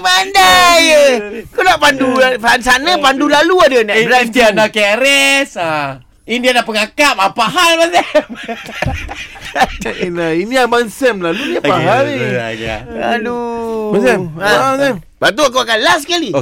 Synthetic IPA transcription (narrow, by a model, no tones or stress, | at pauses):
pandajəakunaʔpandupansanəpandulaluadənalat̪iandakeɾɛsa | indianapəŋakaʔ̚apaɦalmasɛ | inainiamansəmlaluniapaɦalḭ | ladumasɛaaasɛm | bat̪̬uakuakanlas̬kali